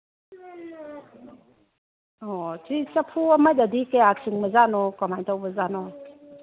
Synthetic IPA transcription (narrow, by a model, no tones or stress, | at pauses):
ɔt͡ʃit͡ʃapʰuamajtadikeak̚sɯŋməzanɔkɔmajtʰawbəzanɔ